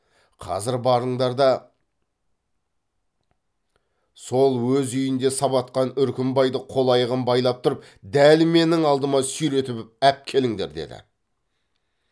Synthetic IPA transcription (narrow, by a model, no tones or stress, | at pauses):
qʰɑ̰zɪɾbɑɾəɴd̪ɑɾd̪ɑ | so̞lˠwɵzʏjɪnd̪e̞sɑβɑt̪̚qɑnʏɾkʲɪmbɑjd̪əqʰo̞lˠɑjəʁəmbɑjlˠɑp̚t̪ʰʊɾəp̚ | d̪ælme̞nɪŋɑlˠd̪əmɑsʏjɾe̞t̪ɪpæp̚kʲʰe̞lɪŋd̪e̞̰ɾd̪e̞̰d̪ɪ̰